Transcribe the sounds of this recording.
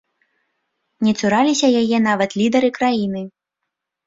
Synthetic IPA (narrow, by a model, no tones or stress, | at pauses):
nʲɛt̪suɾalʲisʲɐjajɛnavɐt̪lʲid̪ɐɾɨkɾajinɨ